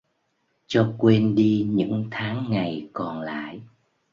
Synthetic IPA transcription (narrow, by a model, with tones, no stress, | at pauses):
t͡ɕɔ˧kwe˧nɗi˧ɲɨ̰˧˥ŋt̪ʰaː˨˦ŋːa˨˩jkɔ˨˩nla̰ː˧˨j